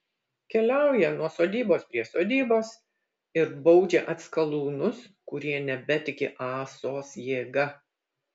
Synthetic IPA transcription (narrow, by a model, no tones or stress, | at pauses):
kʲɛlʲæˑʊjɛnuɔsoːd̪ʲiːboːspʲɾʲiɛsoːd̪ʲiːboːs | ɪɾbɒʊd͡ʒʲeʔɐt̪skɐlˠuːnʊskʊɾʲiɛnʲɛbʲɛt̪ʲɪkʲɪʔɑːsoːsjeːɡɐ